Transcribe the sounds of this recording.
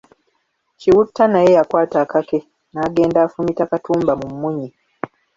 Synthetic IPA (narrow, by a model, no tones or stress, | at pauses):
ciwutːanajejakwaːtaːkake | naːɡe̞ːndaːfunitakatuːmbamumːuɲi